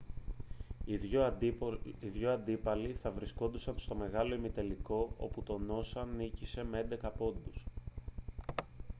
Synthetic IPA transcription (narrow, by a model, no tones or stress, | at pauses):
io | iðʝo̞ɐnd̪ipɐliθɐvɾisko̞nd̪usɐnst̪o̞me̞ɣɐlo̞imit̪e̞liko̞o̞̰put̪o̞no̞sɐnicise̞mee̞nd̪e̞kɐpo̞nd̪us